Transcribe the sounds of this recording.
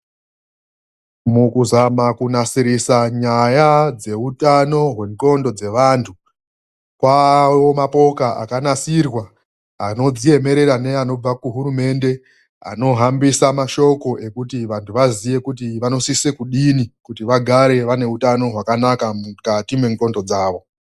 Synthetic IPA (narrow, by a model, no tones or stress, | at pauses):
mukuzamakunasiɾisaɲajad͡ze̞utano̞ɦwe̞ŋto̞ndo̞d͡ze̞ʋantʰu | kwawomapo̞kaʔa̰kanasirwa | ano̞d͡zije̞me̞ɾe̞ɾane̞ano̞b͡vakuɦuɾume̞nde̞ | a̰no̞ɦambisamaʃo̞ko̞ʔe̞kutiʋantʰuʋazije̞kutiʋano̞sisekuɗinikutiʋaɡʱaɾe̞ʋane̞utano̞ɦwakanakamukatimwe̞ŋko̞ndo̞d͡zaːʋo̞